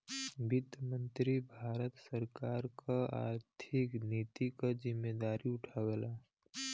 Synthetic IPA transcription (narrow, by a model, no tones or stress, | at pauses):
bɪt̪mə̃nt̪ɾibʱaːɾət̪səɾkaːɾkaa̰ːɾt̪ʰɪkniːt̪ikazɪmːed̪aːɾiʊʈʰaːʋeːlaː